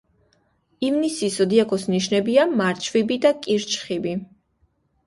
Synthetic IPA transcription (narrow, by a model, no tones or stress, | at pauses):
ivnisisɔd̪iakʰʼɔsniʃnɛbiamaɾt͡ʃʰvibid̪akʼiɾt͡ʃʰʼχibi